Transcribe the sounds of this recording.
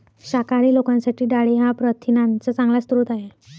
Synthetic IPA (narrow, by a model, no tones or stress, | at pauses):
ɕakaɾiːlokãnsaʈiːɖaɭiɦapɾət̪ʰinãnt͡sət͡sãŋɡlast̪ɾuːt̪aɦe